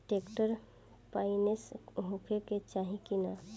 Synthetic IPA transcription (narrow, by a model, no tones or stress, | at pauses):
ʈekʈəɾ | painesɦũkʰeket͡ʃaɦĩkina